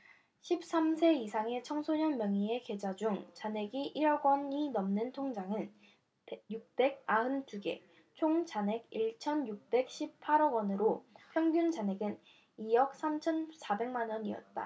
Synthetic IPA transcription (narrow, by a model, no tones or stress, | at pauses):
ɕʰip̚s͈amsʰe̞isʰaŋe̞t͡ɕʰʌŋsʰoɲʌnmjʌŋie̞ke̞d͡ʑad͡ʑuŋt͡ɕane̞ɡiʔiɾʌɡwʌninʌmnɯntʰoŋd͡ʑaŋɯn | juk̚p͈e̞ɡ̚aɦɯntʰuɡe̞̰ | t͡ɕʰoŋd͡ʑane̞ɡiɭt͡ɕʰʌnjuk̚p͈e̞k̚ɕ͈ʰip̚pʰaɾʌɡwʌnɯɾopʰjʌŋɡjunt͡ɕane̞ɡɯn | ijʌk̚s͈ʰamt͡ɕʰʌnsabe̞ŋmanʌniʌ̰t̚t͈a̰